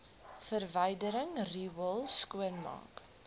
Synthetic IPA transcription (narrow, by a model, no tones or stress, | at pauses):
fərvəjdəɾəŋriːwəlˠskuənmɑ̰ːk